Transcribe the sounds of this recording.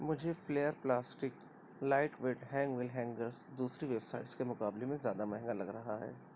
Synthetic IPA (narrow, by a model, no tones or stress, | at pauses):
mʊd͡ʒʱefleːjəɾplaːsʈɪk | laːɪʈʋeːʈɦɛ̃ːŋɡʋɪlɦɛ̃ːŋɡəɾsd̪uːsɾiʋebsaːɪʈskemʊkaːblemẽzjaːd̪amɐɦɪ̃ŋɡalɐɡɾɐɦaɦɛ̰ː